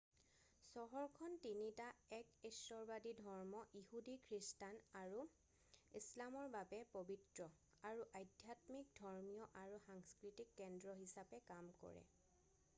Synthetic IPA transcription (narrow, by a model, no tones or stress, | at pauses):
sɔɦɔɹkʰɔntinitaɛkesɔɹbadidʱɔɹmɔʔihudikʰɹistanaɹu | islamɔɹbabɛpobitɹɔ | aɹuʔajdʱjatmik̚dʱɔɹmijɔʔaɹuxaŋskɹitikːɛndɹɔɦisapɛkamkɔ̰ɹɛ̰